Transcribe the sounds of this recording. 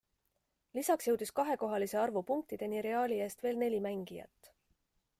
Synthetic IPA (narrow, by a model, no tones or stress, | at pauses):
lisɑksjɤ̞wd̪iskɑɦe̞ko̞ɦɑlise̞ɑrvupuŋk̚t̪id̪̥e̞niɾe̞ɑːlʲie̞ːst̪ve̞ːlne̞lʲimæŋɡ̥ijɑ̰t̪ːˑ